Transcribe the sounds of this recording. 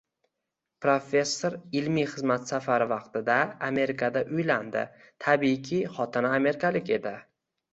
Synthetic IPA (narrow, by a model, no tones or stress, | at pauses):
pɾofʲe̞sːoɾɪlmijχɨzmat̪safaɾɪvɑqt̪ɪd̪aame̞ɾɪkʰad̪aʔʊjland̪ɪ̰ | t̪ʰabijkʲʰiχɒt̪ʰɪnaːme̞ɾɪkʰalɪkʲe̞d̪ɪ